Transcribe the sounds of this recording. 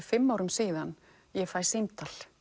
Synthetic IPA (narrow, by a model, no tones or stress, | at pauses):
fɪmːaːwɾʏmsiːðan | jɛfaːj̥sejmt̪ʰal̥